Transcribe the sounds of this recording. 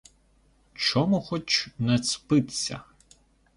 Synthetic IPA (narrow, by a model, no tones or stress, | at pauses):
t͡ʃɔmuxɔt͡ʃnɛspɪt̪sʲɐ̰